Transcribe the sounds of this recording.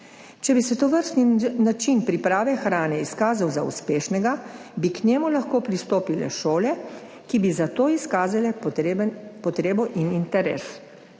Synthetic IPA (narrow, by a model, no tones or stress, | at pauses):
t͡ʃɛbisɛt̪oʋəɾst̪ninat͡ʃinpɾipɾaːʋɛxɾaːnɛiskaːzawzaṵspeːʃnɛɡabiknɛːmulaxkoːpɾist̪oːpilɛ̰ʃoːlɛ | kibizat̪oːiskaːzalɛnpɔt̪ɾeːbɔʔinint̪ɛɾɛ̰ːs